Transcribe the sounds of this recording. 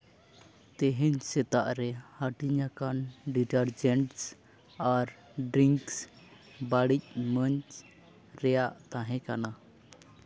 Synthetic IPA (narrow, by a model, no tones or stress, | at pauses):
t̪ɛɦɛɲsɛt̪aʔɾɛhaʈiɲakanɖiʈəɾd͡ʒɛɳʈs | aɾ | ɖɾiŋks | baɽic̚ˀməɲt͡ʃ | ɾɛjaʔt̪aɦɛ̃kana